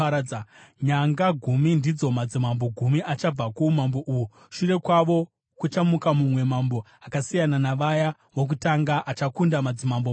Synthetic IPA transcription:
ɲaŋɡaɡʱumindid͡zo̞mad͡zimamboɡʱumiʔat͡ʃab͡vakuumambo̞ʔuju | ʃure̞kwaʋo̞ | kut͡ʃamukamumwe̞mambo̞ | akasijananaʋaja | ʋok̬utaŋɡaʔat͡ʃakundamad͡zimambo

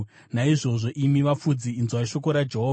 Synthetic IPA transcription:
naiʐo̞ʐo̞ʔimiʋafud͡ziːnzwaʃo̞koɾad͡ʒeɦoː

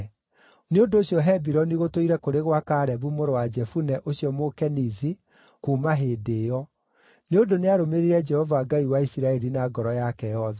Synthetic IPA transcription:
neondoːɕiɔɦɛbiɾɔniɣotoiɾɛkoɾeɣwakaːɾɛβumoɾowad͡ʒɛfunɛʔoɕiɔmokɛnizi | kumaɦeːdejɔ | neondoneaɾomeɾiɾɛd͡ʒɛhɔvaɡaiwaisiɾaɛɾinaɡɔɾɔjakɛjɔðɛ

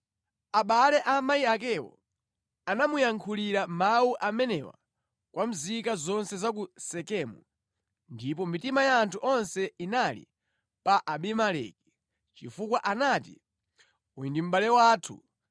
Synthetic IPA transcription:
aɓalɛʔamaiak̬ɛwɔ̰ | anamujaŋkʰuliɾamawuʔamɛnɛwa̰ | kwam̩zikazɔnsɛzak̬usɛkɛːmu | ndip̬ɔmitimajaːntʰuʔɔnsɛinalḭ | paʔaɓimalɛ̰k̚i̥ | t͡ʃifukwaʔanatḭ | ujindim̩ɓalɛwaːtʰṵ

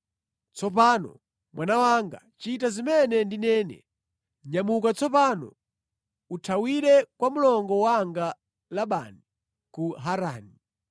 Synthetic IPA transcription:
t͡sɔp̬aːnɔ̰ | mwʔanawaŋɡa̰t͡ʃitazimɛnɛndinɛːnɛ̰ | ɲamukat͡sɔpanɔ̰ | utʰawiɾɛkwamulɔŋɡɔwaŋɡa | laɓa̰ːni | kuɦaɾaːni

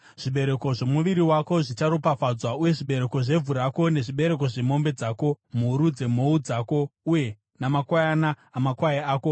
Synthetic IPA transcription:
ʐ̥iɓe̞ɾe̞ko̞ʐe̞muʋiɾiwako̞ʐit͡ʃaɾopafad͡zwauje̞ʐiɓe̞ɾe̞ko̞ʐe̞vʱuɾako̞ne̞ʐiɓe̞ɾe̞k̬o̞ʐe̞mo̞mbe̞d͡zaːko̞m̤uɾud͡ze̞m̤o̞ud͡zaːko̞uje̞ | namakwajanaːmakwaeaːko̞

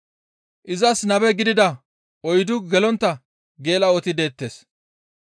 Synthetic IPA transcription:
ʔɪzɐsnɐbɛɡɪd̪ɪd̪ɐ | ɔjd̪ʊɡɛlɔnt̪ːɐ | ɡe̞ːlɐɔt̪ɪd̪e̞ːt̪ːeːs

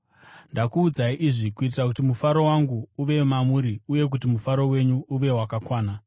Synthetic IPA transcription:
ndakuːd͡zaiʔiʐikuit̬irakutimufaɾo̞waŋɡuuʋe̞mamuɾiuje̞k̬utimufaɾo̞we̞ɲuuʋe̞wakakwaːna

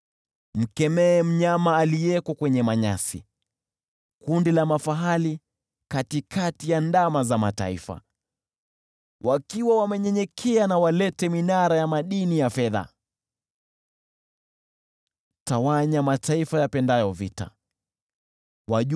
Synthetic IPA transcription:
m̩kɛmɛːm̩ɲamaːliɛkɔkwɛɲɛmaɲasḭ | kundilamafaɦali | katikʰatijandamazamata̰ḭfa̰ | wʔakiwawamɛɲɛɲɛkʰɛanawalɛtɛminaɾajamaɗinijafɛða̰ | tawaɲamataifajapɛndajɔvḭta̰ | waʄ

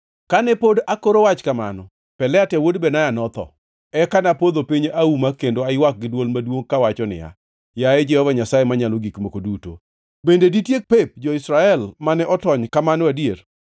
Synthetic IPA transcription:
kanɛpodakoɾowat͡ʃkama̰nɔ | pɛlɛatɛwodbɛnajanɔt̪ɔ̰ | ɛkanapod̪opiɲeʔaumakendoaɪwak̚ɡɪdwolmadwoŋkawat͡ʃɔnɪ̰ja̰ | jaɛd͡ʒɛhɔvaɲasajemaɲaloɡikmokoduto̰ | bendeditjek̚pep̚d͡ʒɔɪsɾaɛlmanɛʔɔtɔɲkamanɔadjer

